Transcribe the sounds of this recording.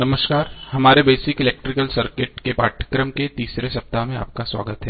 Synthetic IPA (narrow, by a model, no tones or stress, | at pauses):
nɐməʃkaːɾhɐmaːɾebeːsɪkɪleːk̚ʈɾɪkəlsɐɾkɪʈkepaːʈʰə̥kɾəmket̪iːsɾesɐp̚t̪amẽa̰ːp̚kaswa̰ːɡət̪ɦɛː